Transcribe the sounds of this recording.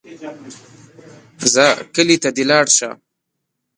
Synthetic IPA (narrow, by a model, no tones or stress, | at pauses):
zakəlit̪ad̪ɪlɑːɽʃa̰m